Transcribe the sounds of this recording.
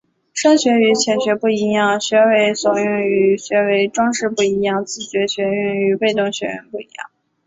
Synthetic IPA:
ʂə˥nɕɥɛ˧˥y˧˥t͡ɕʰjɛ˨˩nɕɥɛ˧˥pu˥˩i˧˥jɑ˥˩ŋɕɥɛ˧˥we˧˥ɪswɔ˨˩jʊ˥˩ŋy˧˥ɕɥɛ˧˥we˧˥ɪʈ͡ʂwɑ˥ŋʂɻ̩˥˧pu˥˩i˧˥jɑ˥˩˧ŋt͡sɹ̩˥˩ɕɥɛ˧˥ɕɥɛ˧ɛ˥˩ny˧˥pe˥˧ɪt̪ʊ˥˩ŋɕɥɛ˧˥ɻ̰npu˥˩i˧˥jɑ̰˥˩ŋ

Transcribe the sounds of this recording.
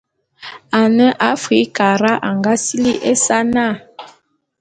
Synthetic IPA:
a˨nə˦ʔa˦fi˨˦ka˨ɾa˦ʔa˨ŋɡa˦si˦li˦ʔe˦sa˦na˦˨

